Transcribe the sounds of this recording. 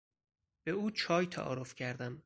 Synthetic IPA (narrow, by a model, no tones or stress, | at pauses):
b̥euːt͡ʃʰɒːjt̪ʰæ̰ʔɒ̰ːɾofcʰæɾd̪æm